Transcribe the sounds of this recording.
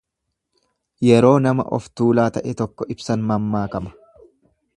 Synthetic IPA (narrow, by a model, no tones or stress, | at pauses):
jɛɾo̞ːnɐmɐ̰ʔɔ̰ft̪uːlaːt̪ɐʔɛt̪ɔkːɔʔɪbsɐnmɐmːaːkɐmɐ̥